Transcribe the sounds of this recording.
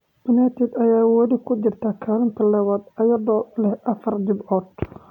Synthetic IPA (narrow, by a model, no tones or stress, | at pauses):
b̥ɐnaːt̪ʰɪd̪ɐjaːwɐlɪkʰʊt͡ʃɪrt̪ʰaːkʰaːlɐnt̪ʰɐlɐβaːd̪ɐjɐðɔːlɛhʔɐfɐrd̪ɪbɔːd̪̚